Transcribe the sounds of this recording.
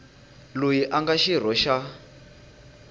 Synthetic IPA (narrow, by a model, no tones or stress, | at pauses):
lojiʔaŋɡaʃir̤ɔʃa